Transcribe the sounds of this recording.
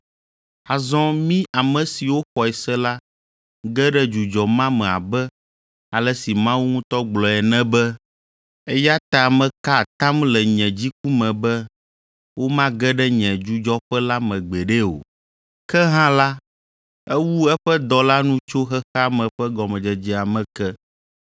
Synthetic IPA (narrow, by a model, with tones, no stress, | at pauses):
a˨zɔ̃˦mĩ˦ʔa˨mɛ̃˨si˨wo˦xɔ˨ɛ˨sɛ˦la˦ | ɡɛ˦ɖɛ˦d͡ʒu˨d͡ʒɔ˨mã˦mɛ̃˨a̰˨bɛ˦ | a˨lɛ˦si˨mã˦wu˦ŋũ˦t̪ɔ˦ɡ͡blɔ˨ɛ˨nɛ̃˦bɛ˦ | ɛ˦ja˦t̪a˨mɛ̃˨ka˦˨t̪ã˦mlɛ˨ɲɛ̃˨d͡ʑi˦k̚u˦mɛ̃˨bɛ˦ | wʔo˦mã˦ɡɛ˦ɖɛ˦ɲɛ̃˨d͡ʒu˦d͡ʒɔ˦ɸɛ˦la˦mɛ̃˨ɡ͡bɛ˨ɖɛ˦o̰˨ | kɛ˦ɦã˦la˦ | ɛ˦wu˦ɛ˦ɸɛ˦d̪ɔ˨la˦nũ˦t͡ʃo˦xɛ˦xa˦mɛ̃˨ɸɛ˦ɡɔ˨mɛ̃˨d͡ʒɛ˨d͡ʑi˦a˨mɛ̃˨kɛ˦